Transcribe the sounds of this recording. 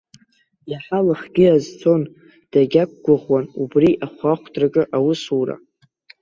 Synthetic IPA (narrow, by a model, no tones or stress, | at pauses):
jaħalaχɡʲɪazt͡sʰo̞n | d̥aɡʲak̚ʷʰʼɡʷaʁwanubriʔaχʷaχʷtʰʼrakʼɨʔawʊsura̰